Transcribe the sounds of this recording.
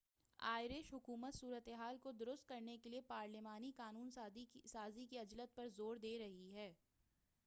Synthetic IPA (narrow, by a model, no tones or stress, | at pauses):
a̰ːɪɾeʃɦʊkuːmət̪suːɾət̪eɦaːlkod̪ʊɾʊst̪̚kɐɾnekeliepaːɾlɪmaːnikaːnuːnsaːzikiɐd͡ʒlət̪̚pɐɾzoːɾd̪eːɾɐɦiɦɛː